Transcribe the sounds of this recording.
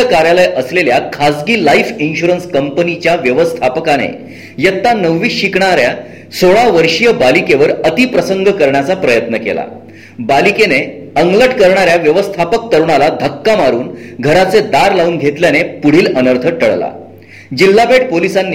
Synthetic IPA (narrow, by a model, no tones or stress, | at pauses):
əkaɾjaləjʔəsleljakʰad͡zɡiːlaifinɕuɾənskəmpənit͡ɕjaʋjəʋəst̪ʰapəkanḛ | jət̪ːanəʋʋiːɕikɳaɾja | soɭaʋəɾʂijəbalikeʋəɾət̪ipɾəsəŋɡʱəkəɾɳjat͡sapɾəjət̪nəkḛla̰ | balikene | əŋɡləʈkəɾɳ̃aɾjaʋjəʋəst̪ʰapək̚t̪əɾɳ̃alad̪ʱəkːamaɾuːnɡʱəɾat͡sed̪aɾlauːnɡʱet̪ljanepuɽ̤iːlənəɾt̪ʰəʈəɭla̰ | d͡ʑilːabeʈ̚polisanː